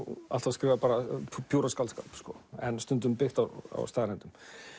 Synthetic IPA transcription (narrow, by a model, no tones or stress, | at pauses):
a̰l̥t̪askɾɪːvapaːɾapʰjuːɾaskalska̰lpskɔɛnst̪ʏnt̪ʏmpɪht̪awa̰wst̪aːðalɛnt̪ʏm